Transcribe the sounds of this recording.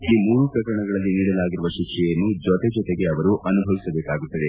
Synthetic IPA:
ilimuːɾupɾɐkɐɾɐɳɐɡɐɭɐlːiniːɽɐlaːɡiɾuʋɐʃikʂɛjɐnːud͡ʒɔt̪ed͡ʒɔt̪eɡe̞ɐʋɐɾuʔɐnubʱɐʋisɐbeːkaːɡut̪ːɐd̪e̞

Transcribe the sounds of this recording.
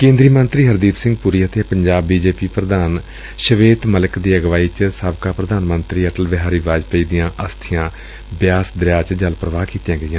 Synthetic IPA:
kẽːnd̪ɾiːmənt̪ɾiːɦəɾd̪iːp̪sɪ̃ŋɡ̚puɾiːət̪eːpəɲd͡ʒaːbːiːd͡ʒeːpiːpɾəd̪aːn | ʃəʋeːt̪mələkd̪iːəɡʋaːiːt͡ʃsaːbkaːpɾəd̪aːnmənt̪ɾiːəʈəlʋɪɦaːɾiːʋaːd͡ʒpəiːd̪ɪjãːʔəst̪ʰɪjãː | bɪjaːsd̪ɾjaːt͡ʃd͡ʒəlpɾəʋaːkiːt̪jãːɡəɪãː

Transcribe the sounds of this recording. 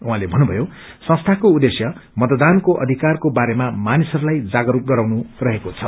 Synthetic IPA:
ũɦãlebʱʌnːubʱʌjo | sʌ̃st̪ʰakoud̪esjʌmʌt̪d̪ankoʔʌ̰d̪ʱikarkobaɾemamanisʌɾulajd͡zaɡʌɾup̚ɡʌɾawnurʌɦekot͡sʰʌ

